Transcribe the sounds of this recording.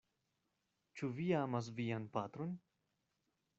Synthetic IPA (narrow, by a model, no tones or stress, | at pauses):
t͡ʃuviamas̬vianpat̪ɾon